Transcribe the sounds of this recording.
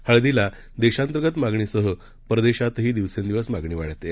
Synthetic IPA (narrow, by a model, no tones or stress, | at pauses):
həɭd̪ila | d̪eɕãnt̪ɾəɡət̪maɡɳiːsəɦə | pɾəd̪eɕat̪ɦiːd̪iʋsẽnd̪iʋəsmaɡɳ̃iːʋaɽ̤t̪e